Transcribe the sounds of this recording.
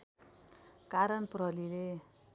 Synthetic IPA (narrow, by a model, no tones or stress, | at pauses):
kaɾʌnprʌɦʌlile